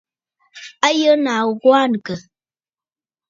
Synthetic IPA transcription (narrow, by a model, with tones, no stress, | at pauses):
a˦jə˦na˨ɣwa˦˨n˨kə˨